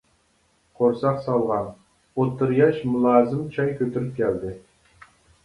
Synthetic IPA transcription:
qʰoɾsɑqsɑlˠʁɑn | ot̪ʰːɨɾjɑʃmulˠɑːzɪmt͡ʃʰɑjkʲøt̪ʰyɾyp̚kʲʰɛld̪ɪ

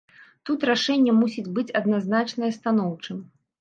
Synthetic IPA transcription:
t̪ut̪raʂɛnʲːɛmusʲid͡zʲbɨt͡sʲɐd̪naznat͡ʂnɐjɛst̪anɔwt͡ʂɨm

